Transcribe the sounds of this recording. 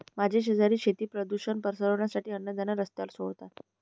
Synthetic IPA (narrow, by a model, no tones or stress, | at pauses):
mad͡ʑʱeɕ̬əd͡zaɾiːɕet̪iːpɾəd̪uɕənpəɾsəɾəʋɳjasaʈiːənːəd̪ʱənaɾəst̪alsoɭt̪at̪